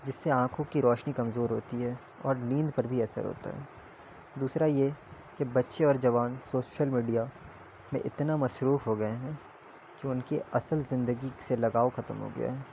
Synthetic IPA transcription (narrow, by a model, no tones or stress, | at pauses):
d͡ʒɪsːeãːkʰõkiɾɔːʃnikɐmzoːɾɦoːt̪iɦɛː | ɔ̰ːɾnĩːnd̪pɐɾbʱiɐsə̰ɾɦo̰ːt̪a̰ɦɛ̰ː | d̪uːsɾaje | kebɐtːʃeɔːɾd͡ʒɐʋaːnsoːʃəlmiːɖija | mḛ̃ʔɪt̪namɐsɾuːfɦoɡɐeɦɛ̃ | keʊnkeɐsəlzɪ̃nd̪əɡiselɐɡaːoxɐt̪əmɦo̰ːɡɐ̰ja̰ɦɛː